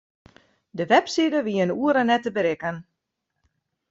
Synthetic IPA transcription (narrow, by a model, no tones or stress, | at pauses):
dəʋɛpsidəʋiənuəɾənɛtəbəɾɪkən